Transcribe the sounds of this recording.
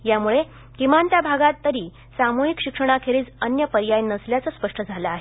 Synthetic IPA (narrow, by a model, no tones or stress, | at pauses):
jamuɭe | kimant̪jabʱaɡat̪ːəɾiː | samoɦikɕikʂəɽ̃akʰeɾiːt͡sənjəpəɾjajnəsljat͡səspəʂʈəd͡zʱalaːɦe